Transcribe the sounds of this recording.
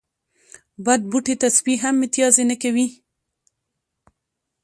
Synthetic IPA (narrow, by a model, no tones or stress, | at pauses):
bad̪̚buʈet̪asbiɦamɪt̪ijɑzenakawi